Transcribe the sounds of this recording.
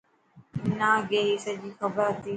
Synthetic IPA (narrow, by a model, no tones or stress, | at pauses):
naːɡeːɦiːsəd͡ʒiːxɐbəɾɐt̪iː